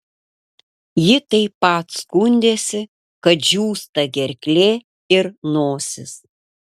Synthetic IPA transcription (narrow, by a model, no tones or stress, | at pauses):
jɪt̪ɐɪpːɐˑt̪skʊnʲd̪ʲeːsʲɪ | kɐt̪ʒʲuːst̪ɐɡʲɛɾʲkʲlʲeː | ɪɾnoːsʲɪs